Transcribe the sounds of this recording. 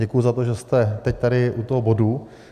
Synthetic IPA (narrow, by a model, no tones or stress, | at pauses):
ɛkujuzat̪oʒɛst̪ɛt̪ɛc̚t̪aɾɪʔut̪oɦobo̞du